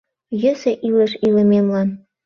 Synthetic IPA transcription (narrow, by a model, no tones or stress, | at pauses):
jɘ̆sĕʔilĕʃilĕmemlɑn